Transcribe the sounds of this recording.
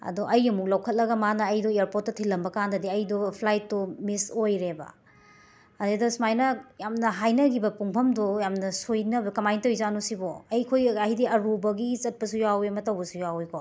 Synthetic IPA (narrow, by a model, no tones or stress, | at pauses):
ɐ̰doʔɐjɐmuk̚lawkʰɐt̚lɐɡɐmanɐːjdɔeaɾpot̚ːɐtʰilːɐmbɐkandɐdiɐjdɔpʰlajtːɔmisojɾebɐ̰ | ɐdedosmajnɐjamnɐɦajnɐɡibɐpuŋpʰɐmdɔjamnɐsojnɐbɐkɐmajntowjzanusibɔɐjkʰojɐhidiɐɾubɐɡit͡ʃɐt̚pɐsujawiɐmɐtɐwbɐsujawikʰo